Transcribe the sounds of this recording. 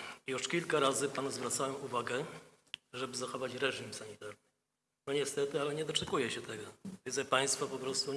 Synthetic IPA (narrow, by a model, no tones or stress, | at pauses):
juʂkʲilkaɾazɘpanuzvɾat̪sawɛmuvaɡɛ | ʐɛbɘzaxɔvat͡ɕɾɛʐimsaɲit̪aɾnɘ | nɔɲɛst̪ɛt̪ɘalɛɲɛd̪ɔt͡ʂɛkujɛɕɛt̪ɛɡɔvʲd̪zɛpaj̃st̪fɔpɔpɾɔst̪u